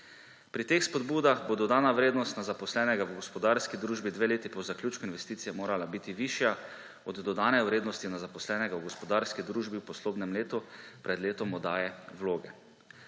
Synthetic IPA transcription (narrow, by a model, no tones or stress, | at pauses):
pɾit̪eːxspɔd̪buːd̪axbod̪ɔd̪aːnawɾeːd̪nɔst̪nazapɔslɛːnɛɡawɡɔspɔd̪aɾskid̪ɾuːʒbid̪ʋeːleːt̪ipɔzaklʲjuːt͡ʃkuinʋɛst̪iːt̪sijɛmoːɾalabiːt̪iʋiːʃja | ɔd̪d̪ɔd̪aːnɛwɾeːd̪nɔst̪inazapɔslɛːnɛɡawɡɔspɔd̪aːɾskid̪ɾuːʒbiwpɔsloːbnɛmleːt̪upɾɛd̪leːt̪ɔmɔd̪aːjɛwloːɡɛ